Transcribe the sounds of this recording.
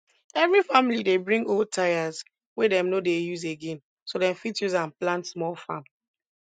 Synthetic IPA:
ɛvɹifamilidebɹĩŋɡol̚tʰajaz | wedɛ̃mnodejuzeɡẽn | sodɛ̃mfitjuzãnplãntsmɔlfãm

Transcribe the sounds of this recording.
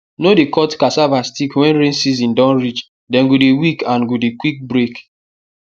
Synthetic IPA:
nodekɔtkasavastikwɛ̃nɾẽnsizĩndɔ̃nɾit͡ʃ | dɛ̃nɡudewikãnɡudekwik̚bɾek

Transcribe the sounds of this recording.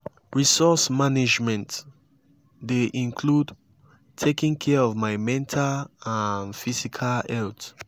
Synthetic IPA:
ɹisɔsmanid͡ʒmɛ̃nt | deʔĩŋkʰlud | tʰekĩŋkʰɛɔvmaɪmɛ̃ntʰalanfisikʰalɛlt

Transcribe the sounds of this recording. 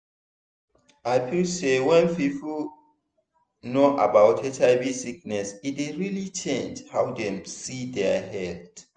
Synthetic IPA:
ajpʰisewɛ̃npipʰl̩ | noʔabawtʰɛtaɪvisik̚nɛsitdeɹilit͡ʃɛ̃nd͡ʒhawdɛ̃msidɛɦɛld

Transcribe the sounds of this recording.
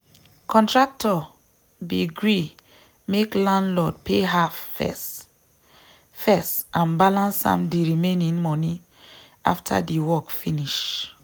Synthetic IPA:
kʰɔ̃ntɹak̚tʰɔ | biɡɹi | meklãndlɔd̚pʰeɦafɛ̰s | fɛstãnbalãnsã̰mdiɹimenĩŋmɔni | a̰ftʰa̰diwɔkfiniʃ

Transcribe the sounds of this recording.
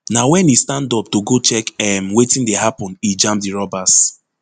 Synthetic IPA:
nawɛ̃nistãndɔp̚toɡot͡ʃɛkɛmwetĩndeɦapɔ̃nid͡ʒãmpdiɹɔbas

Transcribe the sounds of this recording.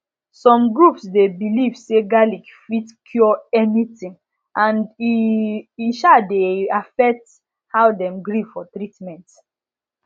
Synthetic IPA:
sɔ̃mɡɹupsdebilivseɡalikfitkʰjɔɛnitĩŋ | ʔãndi | iʃadeafɛk̚t | hawdɛ̃mɡɹifɔtɹitmɛ̃nt

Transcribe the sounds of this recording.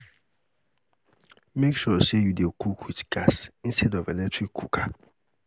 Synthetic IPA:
mekʃɔsejudekʰukʰwitɡ̥asĩn̩stʰɛdɔvɛlɛk̚tʰɹikʰːukʰa

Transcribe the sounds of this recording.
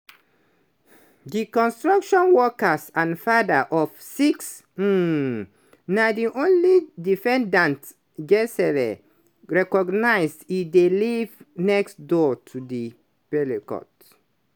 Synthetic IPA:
dikɔ̃nstɹakʃɔ̃nwɔkəsãnfadaʔɔfsiks̩ | nadiʔõnlidifɛ̃ndãnt | ɡɛsɛɹḛ | ɹɛkɔɡnaɪsdidelivnɛkstdotʰudi | b̥ɛlikɔ̰t

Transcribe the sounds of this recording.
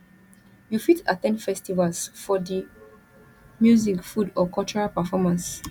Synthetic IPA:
jufitatɛ̃ndfɛstivalsfɔdi | mjuzikfudɔkɔlt͡ʃɔɹapəfɔmãns

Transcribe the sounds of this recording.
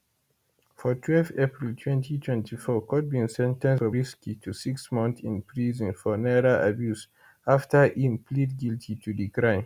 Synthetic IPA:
fɔtʰwɛlfθepɹiltʰwɛ̃ntʰitʰwɛ̃ntifɔkʰɔt̚bĩnsɛ̃ntɛ̃nsɔɹiskitʰusiksmɔ̃nθĩnpʰɹizə̃nfɔnɛɹoa̰bjus | aftəʔĩmpʰlidɡiltʰitʰudikɹãɪ̃m

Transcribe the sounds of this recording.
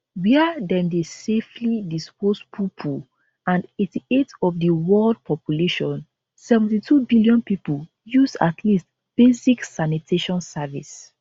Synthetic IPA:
wiədɛ̃mdeseflidispospʰupʰu | ãndetietɔfdəwɜld̚pʰɔpjuleʃɔ̃n | sɛvɛ̃n̩titʰubiliɔ̃npipul | jusa̰tʰlist | b̥esiksanitʰeʃɔ̃nsavḭs

